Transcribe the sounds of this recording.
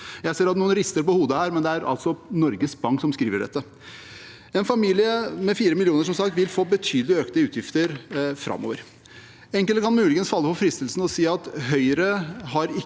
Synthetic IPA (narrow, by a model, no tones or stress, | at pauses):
jæɪseːɾɑt̪nuːənɾɪst̪əɾpɔhuːd̪əhæːɾmɛnd̪ɛæɾʔɑ̰lt̪sɔnɔɾɡəsbɑŋksɔmskɾiːʋəɖɛ̰t̪ːə | ɛnfɑmiːlɪəmɛfiːɾəmɪlɪuːnəʂɔmsɑkt̪ʋɪlfoːbət̪ʰyːd̪əlɪøːknəʉːt̪jɪft̪əɾfɾʔɑ̰mːo̰ːʋəɾ | ɛŋkəlt̪əkʰɑnmʉːlɪɡənsfɑlːəpɔfɾɪst̪əlsn̩ɔsiːɑt̪ɦœʏəɾəɦɑɾɪ